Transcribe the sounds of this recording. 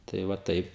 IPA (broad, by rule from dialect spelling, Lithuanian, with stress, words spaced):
tɐɪ ʋɐ ˈtɐɪp